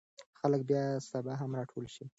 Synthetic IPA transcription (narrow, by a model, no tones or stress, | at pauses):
xalək̚bjɑsabaɦamɾɑʈʰolʃi